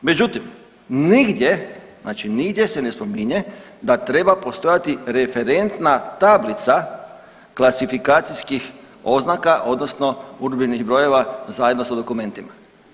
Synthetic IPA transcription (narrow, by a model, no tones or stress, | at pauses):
me̞d͡ʒut̪im | niɡd̪je̞znaːt͡ʃiniɡd̪je̞se̞ne̞spo̞miɲe̞d̪at̪ɾe̞bapo̞st̪o̞jat̪iɾe̞fe̞ɾe̞nt̪nat̪ablit̪sa | klˠasifikaːt̪siskix | o̞znakaʔo̞d̪nosno̞uɾbiniɣbɾo̞je̞ʋazajed̪nosad̪o̞kumẽ̞nt̪ima